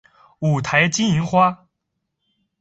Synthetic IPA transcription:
u˨˩t̪ʰa˧˥ɪt͡ɕi˥ni˧˥ŋxwa˥

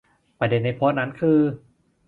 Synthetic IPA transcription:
pɾa˧de˧nːa˧jpʰoː˦˥t̪̚na˦˥nkʰɯː˧

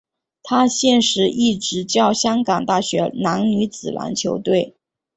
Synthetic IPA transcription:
t̪ʰa˥ɕjɛ˥˩nʂɻ̩˧˥ʔi˥˩ʈ͡ʂɻ̩˧˥t͡ɕjɑ˥˩ʊɕjɑ˥ŋkɑ˨˩ŋt̪a˥˩ɕɥɛ˧˥na˧˥nny˧˥t͡sɹ̩˨˩lʔa̰˧˥nt͡ɕʰjo˧˥ʊt̪we˥˩ɪ

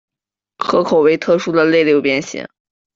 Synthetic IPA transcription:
xʰɤ˧˥kʰo˨˩ʊwe˧˥ɪt̪ʰɤ˥˧ʂu˥d̪ə˨le˥˧ɪljo˥˩ʊpjɛ˥nɕḭ˧˩˦ŋ

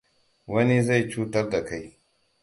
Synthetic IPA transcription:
wɐ˦ni˦za˦˨jt͡ʃuː˦tɐ˦rda˨ka˦j

